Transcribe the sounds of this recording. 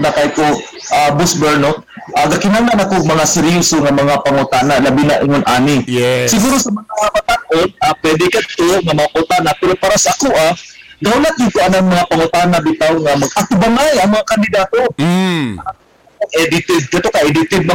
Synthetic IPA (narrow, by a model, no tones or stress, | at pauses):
nakajko | ʔabʊsbɛɹno | ʔaɡakɪnananakomɐŋasɛɾjusoŋamɐŋapaŋʊt̪aːnalɐbinaʔɪŋʊnʔaːnɪsɪɡuːɾosɐmɐŋaabat̪anʔonapwɛd̪ɪkɐt̪oŋamɐapaʊt̪aːnapɛɾopaːɾasaakuʔa | ɡaʊnat̪ɪkʊʔanaŋmɐŋapaŋʊt̪anabɪt̪awŋamɐɡʔat̪ʊbanajɐŋmɐŋakand̪ɪd̪aːt̪o | a | aʔɛd̪ɪt̪ɪd̪̚kɐt̪okaʔɛd̪ɪt̪ɪd̪̚mɐ